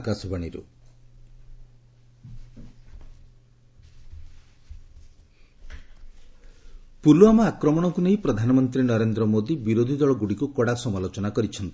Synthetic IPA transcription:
kasɔbaɽ̃iɾṵ | puluamɔakɾɔmɔɽ̃ɔkuneĩpɾɔd̪ʱanɔmɔnt̪ɾinɔɾend̪ɾɔmod̪ibiɾod̪ʱid̪ɔɭɔɡuɽikukɔɽasɔmalot͡ʃɔnakɔɾit͡ʃʰɔnt̪i̥

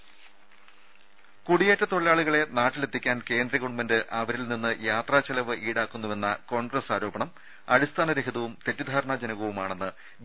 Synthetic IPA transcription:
kuɽijetːɐt̪oɭilaːɭuɣɐɭe̞naːʈːile̞t̪ʰːikʲːaːnke̞ːnd̪rɐɣuɽumɐndɨʔɐʋɐɾilninːɨjaːt̪raːt͡ɕɐlɐʋɨʔiːɽaːkːunːuʋe̞nːɐko̞ːɳɡrɐsaːɾo̞ːbɐɳɐm | ɐ̰ɾist̪ʰaːnɐɾeɦiðɐʋumt̪e̞tːid̪ʱaːɾɐɳad͡ʑɐnɐɣɐʋumaːɳe̞nːɨ

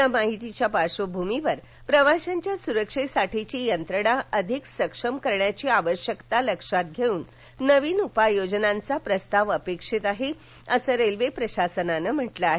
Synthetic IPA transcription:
amaɦit̪it͡ɕjapaʂəbʱumiʋəɾ | pɾəʋaɕaɲt͡ɕjasuɾəkʂisaʈʰit͡ɕiːjənt̪ɾəɽaəd̪ʱiksəkʂəmkəɾɳjat͡ɕiːaʋəɕjəkt̪aləkʂat̪̚ɡʱeuːnː | əʋiːnupajod͡ʑnãnt͡sapɾəst̪aʋəpekʂit̪aɦe | əsəɾelʋepɾəɕasənanəm̤əʈlaaɦe

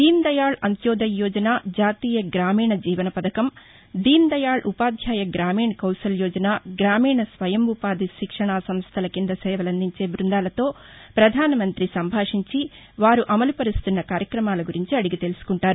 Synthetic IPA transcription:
d̪̥iːnd̪ɐjaːɭɐnt̪jɔːd̪ɐjːɔːd͡ʒɐnaːd͡ʒaːt̪iːjɐɡɾaːmiːɳɐd͡ʒiːʋɐnɐpɐd̪ɐkɐm | d̪iːnd̪ɐjaːɭʔupaːd̪ʱjaːjɐɡɾaːmiːɳkɐwsɐljɔːd͡ʒɐnaːɡɾaːmiːɳɐsʋɐjɐmupaːd̪iʃikʂɐɳaːsɐmst̪ʰɐlɐkind̪ɐsɛːʋɐlɐnd̪iɲt͡ʃe̞ːbɾund̪aːlɐt̪o̞ː | pɾɐd̪ʱaːnɐmɐnt̪ɾisɐmbʱaːʂiɲt͡ʃi | ʋaːɾuʔɐmɐlupɐɾist̪unːɐkaːɾjɐkɾɐmaːlɐɡuɾiɲt͡ʃiɐɽiɡit̪e̞lusu̥kuɳʈaːɾu

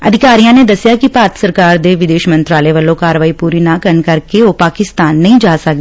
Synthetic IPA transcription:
əd̪ʱɪkaːɾijãːned̪əsjaːkipaːt̪səɾkaːɾd̪eːʋɪd̪eːʃmə̃nt̪ɾaːləʋəlõːkaːɾʋaːipuːɾiːnãːkəɾəɳkəɾkeoːpaːkɪst̪aːnːəɦĩːd͡ʒaːsəkd

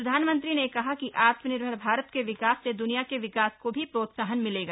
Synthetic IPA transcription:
ɾɐd̪ʱaːnmə̃nt̪̬ɾinekɐɦakiʔaːt̪mənɪɾbʱəɾbʱaːɾət̪keʋɪkaːsːed̪ʊnijakeʋɪkaːskobʱipɾoːt̪saːɦənmɪleːɡa

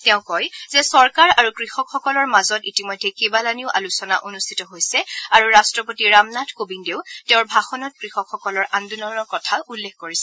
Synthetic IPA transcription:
tɛʊ̃kɔjzɛsɔɹkaɹaɹukɹixɔkxɔkɔlɔɹmazɔtitimɔjdʱːɛkebalaniʊʔa̰lusɔnaʔonustʰitɔɦojsɛaɹuɹastɹɔpotiɹamnatʰkobindeʊtɛʊ̃ɹbʱaxɔnɔt̚kɹixɔkʰxɔkɔlɔɹʔandunɔnɔɹkɔtʰaulːekʰkoɹisɛ̥

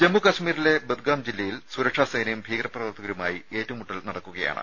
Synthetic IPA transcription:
d͡ʑemːukɐɕmiːɾile̞bed̪̚ɡaːmd͡ʑilːɐjilsuɾɐkʂaːsɐjnɐjumbʱiːɡrɐprɐʋɐrt̪ʰːɐɣɐɾumaːjie̞ːtːɐʋumuʈːɐlnɐɽɐkːuɣɐja̰ːɳɨ̰

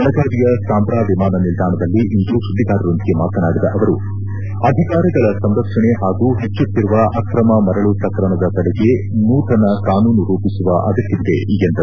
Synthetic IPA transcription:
ɐlɐɡʱaːɾijɐsaːmpɾaːʋimaːnɐnild̪ʱaːɳɐd̪ɐlːiʔind̪usud̪ːiɡaːɾɐɾond̪iɡe̞maːt̪ʰɐnaːɽid̪ɐʔɐʋɐɾu | ɐd̪ʱikaːɾiɡɐɭɐsɐmɾɐpʂɐɳeɦaːɡuːɦet͡ʃːut̪ːiɾuʋɐʔɐkɾɐmɐmɐɾɐɭupɾɐkɐɾɐɳɐd̪ɐt̪ɐɽeɡe | nuːt̪ʰɐnɐkaːnuːnuɾuːpisuʋɐʔɐd̪ɐk̪ːiʋid̪eiɡent̪ɐu

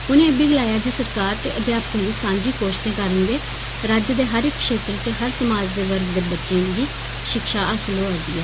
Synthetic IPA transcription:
ʊnẽːəbiːɡəlaːjaːd͡ʒoːsəɾkaːɾt̪eːʔəb̪jaːpk̪ə̃ːʋiːsãːɲd͡ʒiːkoːʃt̪ẽːkəɾənɡeː | ɾaːd͡ʒəd̪eːɦəɾɪkːʃeːt̪ɾət̪eːɦəɾsəmaːd͡ʒd̪eːʋəɾɡd̪eːbətːʃẽːɡ̪iː | ʃɪkʃaːʔəsəloːoːd̪iːɛː

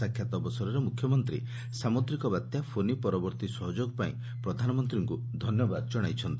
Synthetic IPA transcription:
akʰjat̪ɔbɔsɔɾɔɾemukʰjɔmɔnt̪ɾḭ | samot̪ɾikɔbat̪japʰonipɔɾɔbɔɾt̪isɔɦɔd͡ʒoɡɔpaḭ̃ | pɾɔd̪ʱanɔmɔnt̪ɾiŋkud̪ʱɔnjɔbad̪ɔd͡ʒɔɽ̃ajt͡ʃʰɔnt̪i

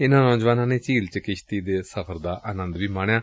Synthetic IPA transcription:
ɪnãːnɔ̃ːd͡ʒʋaːnãːneːt͡ʃiːlt͡ʃɪkɪʃʰt̪iːd̪eːsəpʰəɾd̪aːʔʔaːnə̃nd̪ʋiːmaːɳjaː

